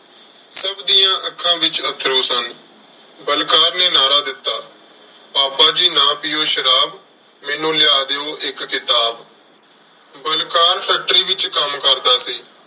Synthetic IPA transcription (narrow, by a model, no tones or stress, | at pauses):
səbd̪iːjãːʔəkʰãːʋɪt͡ʃət̪ʰːɾoːsənd̪ | bəlkaːɾneːnaːɾaːd̪ɪt̪ːaː | paːpaːd͡ʒiːnãːpɪjoːʃəɾaːb | mɛːnũːlɪaːd̪eːoːʔɪkːɪt̪aːb | bəlkaːɾpʰɛːk̚ʈɾiːʋɪt͡ʃkəmkəɾd̪aːsiː